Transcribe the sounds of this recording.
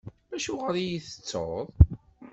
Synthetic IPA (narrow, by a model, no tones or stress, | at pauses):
bæʃuʁəɾijiθə̥t͡sːo̰ðˤ